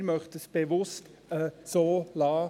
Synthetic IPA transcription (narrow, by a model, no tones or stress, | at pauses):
ɾmœχtəsb̥evʊst | əsoːlɑː